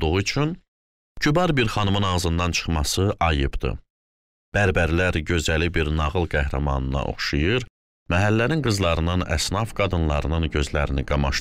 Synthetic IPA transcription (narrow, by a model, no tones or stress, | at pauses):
d̪uʁuyt͡ʃʰyn | cʰybɑɾbiɾχɑnɯmɯnɑʁzɯnd̪ɑnt͡ʃʰɯ̥χmɑsɯʔɑjɯbd̪ɯ̰ | b̥æɾbæɾlæɾɟø̞zælibiɾnɑʁɯlˠɡæhɾæmɑ̰nɯnɑ̰ʔo̞̰χʃɯjɯɾ | mæɦælːæninɡɯzlˠɑɾɯnɯnæ̰snɑfɡɑd̪ɯnlˠɑ̰ɾɯnɯnɟø̞zlæɾiniɡɑmɑʃ